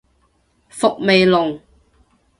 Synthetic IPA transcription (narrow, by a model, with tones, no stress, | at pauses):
fʊ˨k̚me˨jlʊ˨˩ŋ